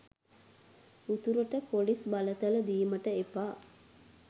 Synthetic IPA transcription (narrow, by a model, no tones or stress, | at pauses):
ut̪uɾəʈəpolisbalət̪ələd̪iːməʈəepaː